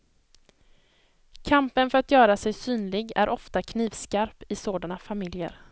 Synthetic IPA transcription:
kʰampənfœɾat̪jœːɾasɛjsyːnlɪɡæ̰ɾʔɔft̪akʰniːvskaɾpɪsoːd̪anafamɪljə̰ɾ

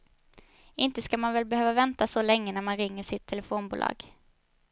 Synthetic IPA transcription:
ɪnt̪əskamanvɛlbɛhøːvavɛnt̪asɔlɛŋːənæɾmanɾɪŋːəʂɪt̪ʰːɛlɛfoːnbuːlɑ̰ːɡ̥

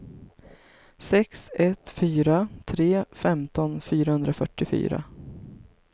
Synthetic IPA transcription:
sɛksɛt̪fyːɾat̪ʰɾeːfɛmt̪ɔnfyːɾahɵnd̪ɾafœʈːɪfy̰ːɾa̰

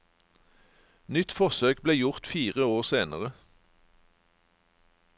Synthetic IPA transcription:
nʏt̪fɔʁsøːk̚bleːjʊʁt̪fiːʁəoːʁseːnəʁə

